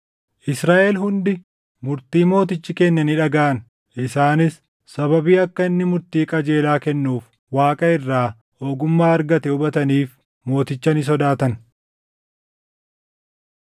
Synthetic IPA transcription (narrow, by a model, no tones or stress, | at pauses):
ʔɪsɾaːʔɛlɦʊnd̪ɪ | mʊɾt̪iːmo̞ːt̪ɪt͡ʃːɪkɛnːɐniᶑɐɡaːʔɐn | ʔɪsaːnɪs | sɐbɐbiːɐkːɐɪnːɪmʊɾt̪iːkʼɐd͡ʒeːlaːkɛnːuːf | waːkʼɐɪrːaː | oːɡʊmːaːɐɾɡɐt̪ɛʊbɐt̪ɐniːf | mo̞ːt̪ɪt͡ʃːɐnɪs̬ɔd̪aːt̪ɐn